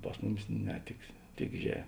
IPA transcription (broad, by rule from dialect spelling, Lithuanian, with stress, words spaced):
ˈpɐs mʊˌmʲɪs ˈnʲɛ tʲɪk ˈtʲɪk ʒʲɛ